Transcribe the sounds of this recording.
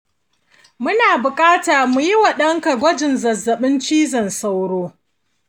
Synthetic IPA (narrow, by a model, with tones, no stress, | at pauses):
mʊ˦naː˨bʊ˨kʼaː˦taː˨mu˨ji˦wa˨ɗɐ˦ŋka˨ɡʷɔ˦d͡ʒɪ˨nzɐ˨zːɐ˨ɓɪ˦nt͡ʃiː˦zɐ˨nsa˦wɽoː˦